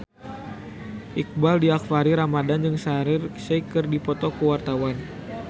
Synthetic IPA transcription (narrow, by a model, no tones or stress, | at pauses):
ʔik̚baldiakfaɾiɾamadand͡ʒɨŋsaɾɪrsəjkɨrdipɔt̪ɔkəwart̪awan